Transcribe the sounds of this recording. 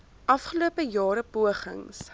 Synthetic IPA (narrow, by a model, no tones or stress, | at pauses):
ʔɐfχəluəpəjɑːɾəpuəχə̰ŋs